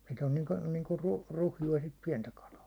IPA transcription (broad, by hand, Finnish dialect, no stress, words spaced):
sit on niːŋku niːŋku ruh ruhjuɑ sit piɛntæ kɑlɑː